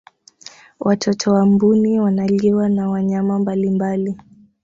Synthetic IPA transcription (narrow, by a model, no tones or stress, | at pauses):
wʔatʰɔtʰɔwambuniwanaliwanawaɲamambalimbali